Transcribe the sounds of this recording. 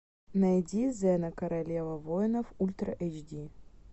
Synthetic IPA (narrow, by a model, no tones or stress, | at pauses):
nɐjdʲizɛnɐkɐɾalʲevəvojnəfulʲt̪ɾɐ̰ʔet͡ʃdʲi